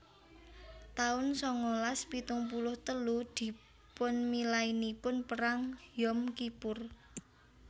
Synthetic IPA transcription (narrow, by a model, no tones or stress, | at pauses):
t̪aʊnsɔŋɔlaspit̪ʊŋpulʊht̪əlud̪̥i̤ | pʊnmilainipʊnpəɾaŋjɔmkipʊr